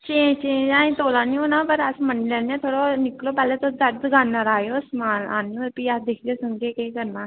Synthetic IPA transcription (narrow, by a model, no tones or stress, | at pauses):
t͡ʃẽːt͡ʃẽːd͡ʒãːĩːt̪oːlãːnĩoːnãːpəɾəsmənlɛːnãːt̪ʰoːɽoːnɪkloːpɛːleːt̪õːd̪əɾd̪ɡaːnːaːɾaːjoːsmaːla̰ːnːõpiːaːd̪ekʰd̪eːsəŋd͡ʒeːkeːkəɾnãː